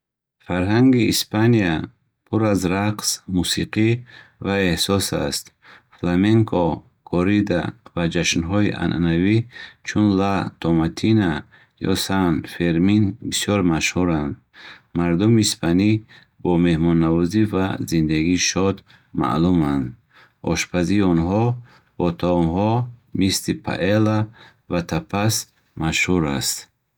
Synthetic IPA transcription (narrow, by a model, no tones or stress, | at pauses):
faɾɦaŋɡḭːspania | pʰuɾazɾaqsmusiqʰivae̞hsɔsa̰st̪ | flameŋkʰɔ | kʰɔɾid̪a̰vad͡ʒaʃnɦɔiʔa̰nʔa̰navit͡ʃʰunlat̪ʰɔmat̪ʰina | jɔ̰sanfeɾminbisjɔɾmaʃhuɾand̪ | maɾd̪umispʰani | bɔme̞hmɔnːavɔzivazind̪aɡiːʃɔd̪ | ma̰ʔlumand̪ | ɔ̰ʃpʰaziːɔnɦɔ | b̥ɔt̪ʰɔmhɔmislipʰa̰ʔela | vat̪ʰapʰas | maʃhuɾast̪